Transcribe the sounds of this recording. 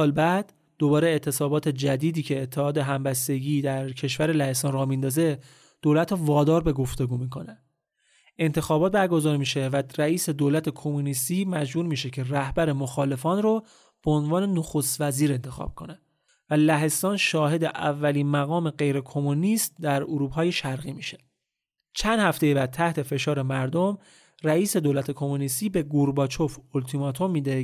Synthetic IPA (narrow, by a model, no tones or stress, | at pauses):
sɒːlbæd̪ | d̪̥o̞bɒːɾeet̪ʰːe̞sɒːbɒːt̪ʰe̞d͡ʒæd̪iːd̪iːcʰe̞ːt̪ʰːehɒːd̪e̞ɦæmbæst̪e̞ɟiːd̪æɾcʰe̞ʃvæɾelæhe̞st̪ɒːnrɒːmind̪ɒːze̞ | d̪̥olæt̪ʰɾɔvɒːd̪ɒːɾbe̞ɡo̞ft̪e̞ɡuːmiːkʰo̞næ | e̞nt̪ʰe̞xɒːbɒːt̪̚bæɾɡo̞zɒːɾmiːʃe̞væræiːse̞d̪olæt̪ʰekʰo̞munist̪iːmæd͡ʒbuːɾmiːʃe̞cʰe̞ræhbæɾe̞moxɒːle̞fɒːnro | b̥eonvɒːne̞noxost̪væziːɾe̞nt̪ʰe̞xɒ̰ːb̥̚kʰo̞ne | vælæɦe̞st̪ɒːnʃɒːhe̞d̪eʔævːæliːnmæɣɒːme̞ɢe̞jɾe̞kʰo̞muniːst̪̚d̪æɾoɾuːbhɒːje̞ʃæɾɣiːmiːʃe̞̥ | t͡ʃʰænd̪hæft̪e̞jebæd̪̚t̪ʰæht̪ʰe̞fe̞ʃɒːɾe̞mæɾd̪om | ræiːse̞d̪olæt̪ʰe̞kʰo̞munist̪iːbe̞ɡuɾbɒːt͡ʃʰo̞folt̪ʰimɒːt̪ʰo̞mːiːd̪e